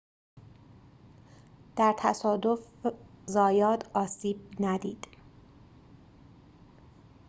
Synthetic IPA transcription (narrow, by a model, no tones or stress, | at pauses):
d̪̥æɾt̪ʰæsɒːd̪ofzɒːjɒːt̪ʰɒːsiːb̥̚næd̪iːd̪̥